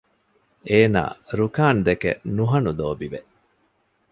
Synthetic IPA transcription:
eːna̰ːɾukaːnd̪ekḛnuɦɐnuloːbiʋeʔ

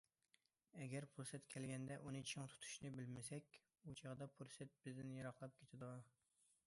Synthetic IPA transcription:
ɛɡʲɛɾpʰuɾsɛt̪kʲʰɛlɡʲɛnd̪ɛʔunɨt͡ʃʰiŋt̪ʰu̥t̪ʰu̥ʃnɪbɪlmɪsɛkʲ | ut͡ʃʰɑʁd̪ɑpʰuɾsɛt̪̚bɪzd̪ɪnjɑɾɑχlˠɑp̚kʲʰet̪ʰɪd̪u

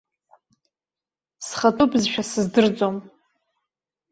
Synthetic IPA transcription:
sχatʼupʼzʃᶣasɨzdɨrd͡zʼom

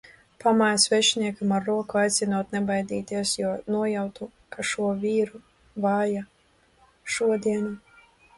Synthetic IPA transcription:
pamajsvʲɛʃnʲiɛkamaɾːuɔkuajt̪sʲinuɔt̪nɛbajd̪ʲḭːt̪iɛsjuɔnuɔjawt̪u | kaʃuɔvʲiːɾu | vaːja | ʃuɔd̪ʲiɛnu

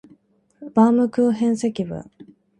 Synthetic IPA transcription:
bamɯ̟kɯ̟ːɦẽ̞ɰ̃se̞kʲibɯ̰

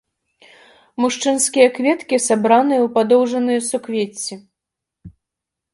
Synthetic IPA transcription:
muʂt͡ʂɨnskʲijɐkvʲɛt̪kʲisabɾanɨjɐwpad̪ɔwʐɐnɨjɐsukvʲet͡sʲːi

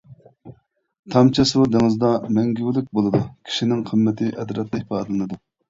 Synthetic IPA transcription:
t̪ʰɑmt͡ʃʰɑsud̪eŋɨzd̪ɑmɛŋɡʲywlɪk̚ʲbolˠɨd̪ukʲʰi̥ʃinɪŋqʰəmːɛt̪ʰɪʔɛd̪ɾɛt̪ːɛipɑːd̪ɨlɨnɨd̪u

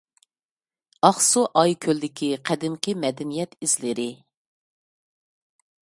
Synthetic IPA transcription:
ɑχsuʔɑjkʲʰølːɪkʲʰiqʰæd̪ɪmkʲʰimɛd̪ɛnijɛt̪iz̥lɪɾɪ

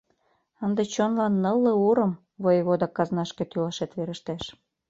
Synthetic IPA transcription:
ənd̪et͡ɕonlɑnːəlːɤ̆uɾə̆m | βojβod̪ɑkːɑznɑʃket̪ylɑʃet̪βeɾəʃt̪æʃ

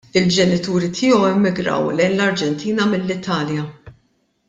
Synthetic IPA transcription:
ɪld͡ʒɛnɪt̪uːɾit̪ʰɪːɔwɪmːɪɡɾɐ̰wlɛjnlɐɾd͡ʒɛnt̪ʰiːnɐmɪlːɪt̪ʰɐːljɐ

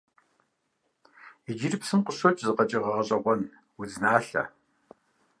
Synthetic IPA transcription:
id͡ʒirɪpsɨmqʷʊɕot͡ʃʼzɨqɐt͡ʃʼɪʁɐʁɐɕʼɐʁʷɔn | wuznaːɬɐ̰

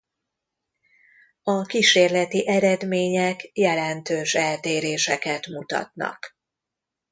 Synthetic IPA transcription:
ɒkiʃeːrlɛt̪iʔɛɾɛd̪meːɲɛkjɛlɛnt̪øːʃɛlt̪eːɾeːʃɛkɛt̪mut̪ɒ̰t̪nɒ̰k

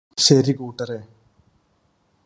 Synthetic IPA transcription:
ɕɐɾikuːʈːɐɾe

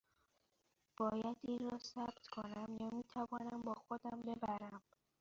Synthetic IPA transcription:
b̥ɒːjæd̪iːnrɒːsæb̥t̪kʰonæmjɒːmiːt̪ʰævɒːnæmbɒːxod̪æmbe̞bæɾæm

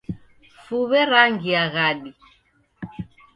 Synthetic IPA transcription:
fuβɛɾaŋɡiaɣaɗi

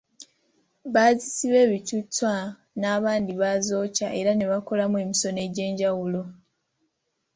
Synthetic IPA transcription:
βaːzisiβe̞ːβicut͡sːwa | naːβaːndiβazo̞ːcaʔe̞ɾane̞βako̞lamwemiso̞ne̞ɟe̞ːɲɟawulo̞

